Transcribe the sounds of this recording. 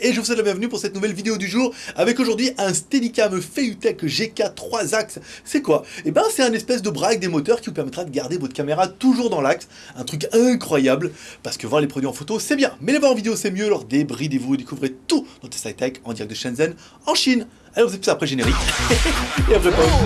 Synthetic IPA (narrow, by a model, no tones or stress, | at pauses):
eʒəvuswɛt̪labjɛ̃vnypuʁsɛt̪nuvɛlvid̪eod̪yʒuːʁavɛkoʒuʁd̪ɥiɛ̃st̪ed̪ikʲamfeyt̪ɛkʒekat̪χwazakssɛkwaebjɛ̃sɛt̪ɛ̃nɛspɛsd̪əbʁak̚d̪emot̪œʁkʲivupɛʁmɛt̪χad̪əɡaʁd̪evɔt̪χə̥kʲameʁat̪uʒuʁd̪ɑ̃laks | ɛ̃t̪χyk̬ɛ̃kχwajablpaʁsə̥kəvwaʁlepχɔd̪ɥiɑ̃fot̪osɛbjɛ̃mɛlevwaʁɑ̃vid̪eosɛmjølɔʁd̪ebʁid̪evud̪ekuvʁet̪ud̪ɔt̪χə̥st̪ajt̪ɛkɑ̃d̪iʁɛk̪̚d̪əʃɛ̃nzɛn | ɑ̃ʃin | alɔʁvuzepysapχɛʒeneʁik | eapʁɛpa